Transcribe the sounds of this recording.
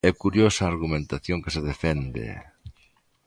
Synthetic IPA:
ɛkuɾjosɐːɾɣumẽnt̪aθjoŋkeseð̞efɛnd̪ḛ

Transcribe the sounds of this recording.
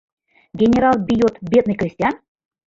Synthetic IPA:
ɡʲenʲeɾɑlˠbʲijot̪bʲed̪̚nɨjkɾʲisʲtʲjɑn

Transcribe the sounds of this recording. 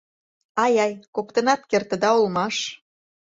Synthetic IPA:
ɑjɑjkokt̪ə̆nɑt̪̚kert̪ə̆d̪ɑolmɑʃ

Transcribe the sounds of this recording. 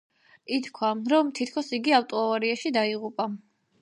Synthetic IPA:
it̪ʰkʰwaɾɔmt̪ʰit̪ʰkʰɔsiɡiaft̪ʼɔavaɾiaʃid̪aiʁupʼa

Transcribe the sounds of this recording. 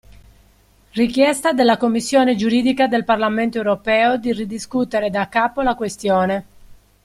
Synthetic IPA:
rikjɛst̪ad̪elːakomːisːjɔːned͡ʒuɾiːd̪ikad̪elparlament̪oewɾopɛːod̪irid̪iskut̪eɾed̪akːaːpolakwest̪jɔːne

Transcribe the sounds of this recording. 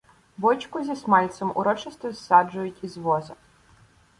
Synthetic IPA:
ʋɔt͡ʃkʊzʲismɑlʲt̪sɔmʊ̰ɾɔt͡ʃɪst̪ɔsːɑd͡ʒʊjʊtʲizʋɔzɐ

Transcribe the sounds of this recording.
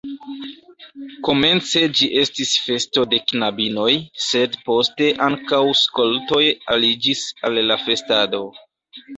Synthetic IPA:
ko̞me̞nt͡se̞d͡ʒiʔe̞stisfe̞sto̞de̞knabino̞jse̞dpo̞ste̞ʔaŋkawsko̞lto̞jalid͡ʒisalːafe̞stado̞

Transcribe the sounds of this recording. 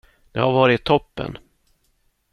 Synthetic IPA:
d̪̥ɛhaɾvɑːɾɪt̪ʰːɔpːə̰n

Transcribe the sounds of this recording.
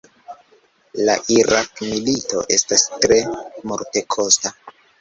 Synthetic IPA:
la̰ʔiɾakmilito̞̰ʔe̞stastɾe̞moɾte̞kʰo̞sta

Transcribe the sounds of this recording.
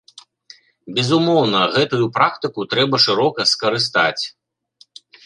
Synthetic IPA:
bʲɛzumɔwnɐɣɛt̪ujupɾakt̪ɨkut̪ɾɛbɐʂɨɾɔkɐskɐɾɨst̪a̰t͡sʲ

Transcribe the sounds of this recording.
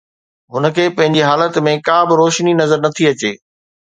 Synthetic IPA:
ɦʊnə̆kʰeːpɐ̃ɦɪ̃ɲd͡ʑiɦaːlət̪mẽkãːbɪɾoːʃninɐzəɾnɐt̪ʰiɐt͡ɕeː

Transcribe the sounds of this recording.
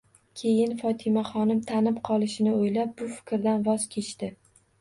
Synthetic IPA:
kʲʰe̞jɪnfɒt̪ʰɪmaχɒnɪmt̪ʰanɪpqʰɒlˠɪʃɪnɪojlap̚bʊfɪ̥kʲɾd̪anvɒz̥kʲʰe̞t͡ʃt̪ɪ

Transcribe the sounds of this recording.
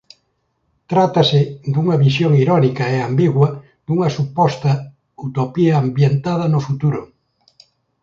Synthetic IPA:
t̪ɾat̪ɐsɪd̪uŋɐβisjoŋiɾɔnikɐeambiɣwɐ | d̪uŋɐsupɔst̪ɐ | ut̪opiɐːmbjent̪aðɐnʊfut̪uɾʊ

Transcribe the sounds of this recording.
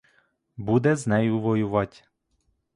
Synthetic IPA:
bud̪ɛznɛjuʋɔjuʋac

